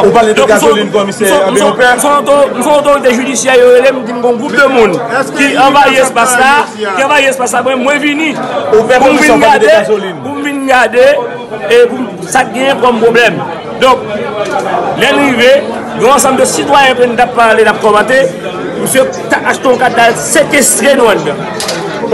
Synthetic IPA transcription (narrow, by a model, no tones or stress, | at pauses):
upald̪ɔ̃kɡmslinkɔmis̩sɔ̃m̩sm̩sɔ̃t̪om̩sɔ̃ot̪oʁit̪̬eʒydisjɛjoelem̩tim̩ɡõɔ̃ɡʁup̚d̪əmũnkiɐ̃vajiespaslaiɑ̃vajiespas̬labwɛ̃mwɛ̃vinĩfpum̩viɡɡadeaolinpum̩vinɡad̪e | epum | sak̚ɡɛ̃jɛ̃kɔmpʁoblɛm | d̪ɔ̃k̚ | lɛnive | ɡɔ̃ːs̬ɑ̃md̪əsit̪wajɛ̃pwunũt̪apːaʁlenap̚kɔmɑ̃t̪e | pusø | taaʃt̪õkad̪alsekest̪ʁenɔ̃ɛ̃nɡã̰